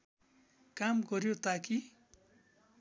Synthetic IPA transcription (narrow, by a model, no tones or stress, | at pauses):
kamɡʌɾjot̪aki